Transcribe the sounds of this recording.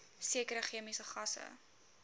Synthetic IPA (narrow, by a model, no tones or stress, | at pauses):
siəkəɾəχiəmisəχɐsə̰